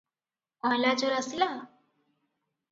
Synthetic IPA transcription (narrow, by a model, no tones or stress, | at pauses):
ɔ̃lad͡ʒɔɾəsila